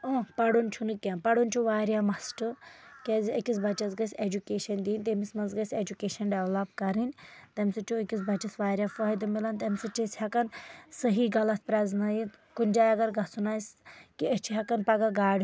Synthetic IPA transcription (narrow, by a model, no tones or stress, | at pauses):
oːpɐɽunʲt͡ʃʰunɨkʲãpɐɽunʲt͡ʃʰuʋaːɾʲjaːmɐsʈɨkezɐkʲisbɐt͡ʃɐsɡɐsʲed͡ʒukeːʃɐnd̪iːnt̪emismɐsɡɐsʲed͡ʒukeːʃɐnɖɛʋlapkɐɾinʲt̪ɐmʲsɨt͡ʃʰuɐkʲis̬bɐt͡ʃɐsʋaːɾʲjaːfɔːjd̪ɐmilɐnt̪ɐmʲsɐt͡ʃishɐkɐnsəɦiːɡɐlɐt̪ʰpɾʲɛznajit̪kunʲd͡ʒaːjɐɡɐɾɡɐsunaːskiɐt͡ʃʰiɦɐkɐnpɐɡaɡaːɽʲ